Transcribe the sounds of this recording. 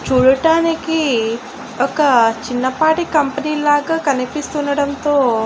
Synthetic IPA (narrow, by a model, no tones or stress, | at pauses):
t͡ʃuːɽɐʈaːniki | ɔkɐt͡ʃinːɐpaːʈikɐmpɐniːlaːɡaːkɐnipist̪unːɐɽɐnt̪oː